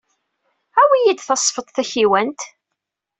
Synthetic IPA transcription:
æwijid̪θɑsˤːfət̪ˤθæçiwænt̪

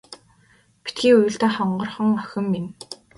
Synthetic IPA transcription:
pi̥t̪ɡiːujɵ̆ɬt̪eːχɔɴɢɞ̆rχɞ̆ŋœxʲɪ̆mːin

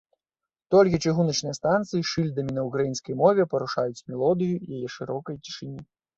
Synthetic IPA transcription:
t̪ɔlʲk̬ʲit͡ʂɨɣunɐt͡ʂnɨjɐst̪ant̪sɨjiʂɨlʲd̪ɐmʲinɐukɾajinskɐjmɔvʲɛpɐɾuʂajut͡sʲmʲɛlˠɔd̪ɨjujajɛʂɨɾɔkɐjt͡sʲi̥ʂɨnʲi

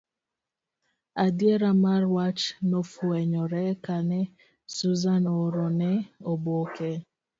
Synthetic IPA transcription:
adjeɾamarwat͡ʃnofwɛɲɔɾɛkanɛ | suzanoɾonɛobokɛ

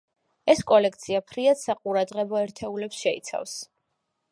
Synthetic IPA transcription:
ɛskʼɔlɛkʰt̪sʰiapʰɾiad̪̥saqʼuɾad̪ʁɛbɔɛɾt̪ʰɛulɛpsʃɛḭt̪sʰa̰fs

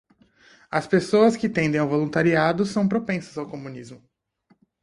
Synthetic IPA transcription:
ɐspesoɐskɪt̪ẽnd̪ẽj̃awvolũnt̪aɾiad̪ʊsɐ̃w̃pɾopẽsɐzawkomũnizmʊ

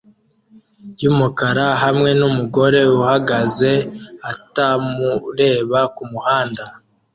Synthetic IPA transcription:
jumukaɾaɦamŋe̞numuɡo̞ɾe̞uhaɡaze̞atamuɾe̞ːβakumuhaːnda

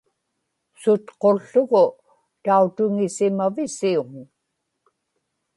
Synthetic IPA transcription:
sʊt̪qo̞ɬːʊɣʊ | t̪aut̪ʊŋɪsɪmavɪsiuŋ

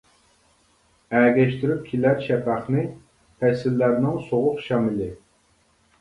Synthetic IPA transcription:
æːɡʲɛʃt̪yɾyp̚kʲʰilæɾʃɛpɑχnɨ | pʰɛsɪlːæɾnɪŋsoʁʊqʃɑmɪlɪ

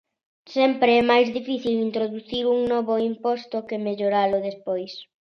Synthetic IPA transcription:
sɛmpɾeɛmajzðifiθilint̪ɾoðuθiɾuŋnɔβʊimpɔst̪ʊkemeʎoɾalʊðespɔjs

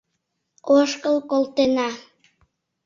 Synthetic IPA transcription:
oʃkəlkolt̪enɑ

